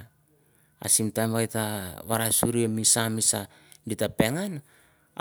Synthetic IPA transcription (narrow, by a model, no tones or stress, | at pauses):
a̰simtamβajtaβaɾasuɾiemisamisa | ditape̞ŋan